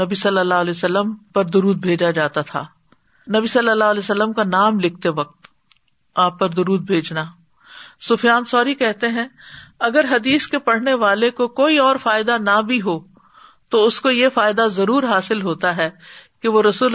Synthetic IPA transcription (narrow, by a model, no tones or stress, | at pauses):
ɐbisɐlːəlːaːɦlɛːsəlːəmpɐɾd̪ʊɾuːd̪̚bʱeːd͡ʒad͡ʒaːt̪at̪ʰa̰ː | nɐbisɐlːəlːaːɦlɛːsəlːəmkanaːmlɪk̚ʰt̪eʋɐq̚t̪ | aːpːɐɾd̪ʊɾuːd̪̚bʱeːd͡ʒnaː | sʊfjaːnsɔːɾikɛɦt̪eɦɛ̃ɐɡəɾɦɐd̪iːskepɐɽ̤neʋaːlekokoːiɔːɾfaːɪd̪anabʱiɦoː | t̪oʊskojefaːɪd̪azɐɾuːɾɦaːsɪlɦoːt̪aɦɛːkeʋoɾɐsuːl